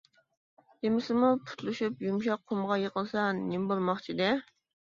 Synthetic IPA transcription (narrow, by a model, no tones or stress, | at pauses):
d̪emɪsɪmupʰu̥t̪lˠuʃupjumʃɑqʰːomʁɑjeqəlˠsɑnɪmbolˠmɑχt͡ʃʰid̪ɛ